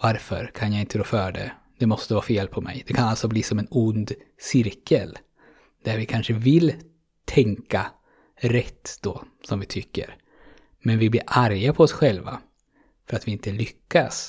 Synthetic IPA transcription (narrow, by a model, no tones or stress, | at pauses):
vaɾfœ̰ɾkʰanjaɪnt̪əɡɾoːfœːɖɛ̰ | d̪̥ɛmɔst̪əvɑːfeːlpʰɔmɛ̰jd̪ɛkʰanalt̪sɔbliːsɔmɛnʊnd̪ | sɪɾkʰəl | d̪̥æɾvɪkʰanʂəvɪl | t̪ʰɛŋka | ɾɛt̪ːd̪̥ɔ | sɔmvɪt̪ʰʏkːə̰ɾ | mɛnvɪblḭːɾʔaɾjapʰɔɔsɧɛlva̰ | fœɾat̪vɪɪnt̪əlʏkːas